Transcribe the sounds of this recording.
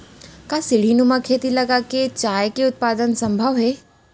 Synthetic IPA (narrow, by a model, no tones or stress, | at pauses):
kasɪɽ̤inumãkʰeːt̪ilɐɡaket͡ʃaːjkeʊt̪̚paːd̪ənsɐ̃mbʱəʋɦeː